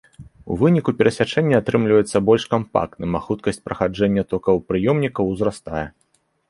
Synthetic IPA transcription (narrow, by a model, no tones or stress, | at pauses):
ṵvɨnʲikupʲɛɾɐsʲat͡ʂɛnʲːɐat̪ɾɨmlʲivɐjɛt̪sːɐbɔlʲʂkampa̰k̚t̪nɨmaxut̪̚kɐsʲt͡sʲpɾɐxad͡ʐɛnʲːɐt̪ɔkɐwpɾɨjɔmnʲikɐwzɾast̪ajɛ